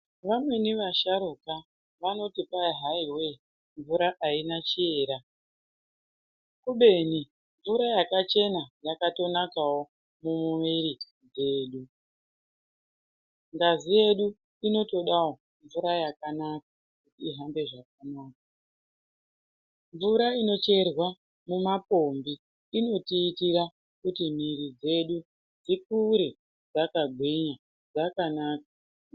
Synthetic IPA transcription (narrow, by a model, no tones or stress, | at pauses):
ʋamwe̞niʋaʃaɾuːka | ʋano̞tipaiɦaiwe̞ | ɱvuɾaʔainat͡ʃie̞ːɾa | kuɓe̞ni | ɱvuɾajakat͡ʃe̞najakato̞nakawo̞ | mumumiɾi | ɡeːɗu | ŋɡazije̞ɗu | ino̞to̞ɗao | ɱvuɾajakanaka | kutiːɦambe̞ʐak̚anaːk̚a | ɱvuɾaino̞t͡ʃe̞rwa | mumapo̞mbi | ino̞tiːtiɾa | kutim̤iɾid͡ze̞ɗu | d͡zik̚uɾe | d͡zakaɡʱwiɲa | d͡zakanaːka